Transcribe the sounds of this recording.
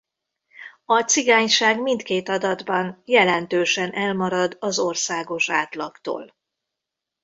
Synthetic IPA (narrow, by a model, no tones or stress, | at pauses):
ɒt̪siɡaːɲʃaːɡmint̪keːt̪ɒd̪ɒd̪bɒnjɛlɛnt̪øːʃɛnʔɛlmɒɾɒd̪ɒzo̞rsaːɡo̞ʃaːt̪lɒkt̪o̰ːl